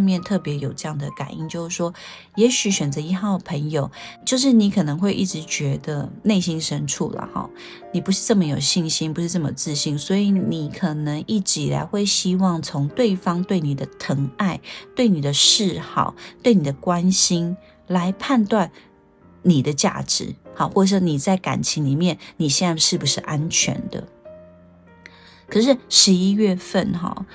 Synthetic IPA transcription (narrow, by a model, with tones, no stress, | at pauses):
ŋmjɛ˥˧nt̪ʰɤ˥˩pjɛ˧˥jo˨˩ʊʈ͡ʂɤ˥˧jɑ˥˩ŋd̪ə˩ka̰˨˩nḭ˥˧nt͡ɕjo˥˧ʊʂɻ̩˥˩ʂwɔ˥ | jɛ˧˥ɕy˨˥ɕɥɛ˨˩nd͡zə˧˦i˧˥xɑ˥˩ʊdə˨pʰə˧˥ŋjo˨˩ʊt͡ɕjo˥˧ʊʂ̬ɻ̩˥˩ni˧˥kʰɤ˨˩nɤ˧˦ŋxwe˥˧ɪʔi˥˩ʈ͡ʂɻ̩˧˥t͡ɕɥɛ˧˥d̪ə˧ne˥˩ɪɕi˥nʂə˥nʈ͡ʂʰṵ˥˩lə̰˩hɑ̰˧˩ | ni˨˩pu˦ʂɻ̩˥˧ʈ͡ʂɤ˥˩mə˨˩jo˨˩ʊɕi˥˩ŋɕi˥˦npu˧˥ʂɻ̩˥˧ʈ͡ʂɤ˥˩mə̰˨˩t͡sɹ̩˥˧ɕi˥˩ŋswɔ˧˥i˧˥˦ni˨˩kʰɤ˨˩nɤ˧˥ŋi˥˩ʈ͡ʂ̩˧˥i˨la̰˧˥ɪxwe˥˩ɪɕi˥wɑ˥˩ŋt͡sʰʊ˧˦˥ŋt̪we˥˩ɪfɑ˥ŋt̪we˥˩ɪni˨˩d̪ə˦t̪ʰə˧˥ŋa˥˧ɪt̪we˥˩ɪni˨˩d̪ə˦ʂɻ̩˥˧xɑ̰˥˩˦ʊt̪we˥˩ɪni˨˩d̪ə˦kwa˦˥nɕi˥n | la˧˥ɪpʰa˥˧nt̪wa˥˩n | ni˨˩d̪ə˦t͡ɕja̰˥˩ʈ͡ʂɻ̩̰˧˩˦xɑ˨˦xwɔ˥˩ʂ̩˥˩ni˨˩t͡sa˥˩ɪka̰˨˩nt͡ɕʰi˧˥ŋli˨˩mjɛ˥˨nni˨˩ɕjɛ˥˧na˥˧ʂɻ̩˥˩bu˩ʂɻ̩˥˩ʔa˦nt͡ɕʰɥɛ̰˧˦˥nd̪ə̰˨ | kʰɤ˨˩ʂɻ̩˥˩ʂɻ̩˧˥i˥ɥɛ˥˧fə˥˨nxɑ̰˨˩